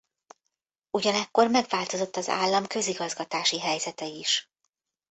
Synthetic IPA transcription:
uɟɒnɛkːo̞rmɛɡvaːlt̪o̞zo̞t̪ːɒza̰ːlːɒmkø̞ziɡɒzɡɒt̪aːʃiɦɛjzɛt̪ɛiʃ

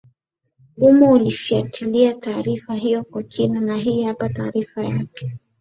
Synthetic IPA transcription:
umaulifiatiliataːɾifaɦijɔkwakʰinanaɦiːhapataːɾifajakɛ̥

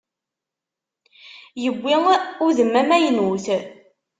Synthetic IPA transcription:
jəɡʷːiŋʊðəmːæmæjnuθ

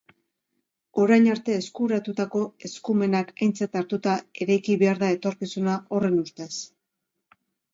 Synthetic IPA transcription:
o̞ɾajɲaɾt̪e̞ːskuɾat̪ut̪ako̞e̞skume̞nakajnt͡sat̪aɾt̪ut̪ae̞ɾajkiβe̞aɾðae̞t̪o̞ɾkisunaʔo̞re̞nust̪e̞s

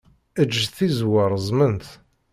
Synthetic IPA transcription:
əd͡ʒːθizwəɾˤəzˤmənθ

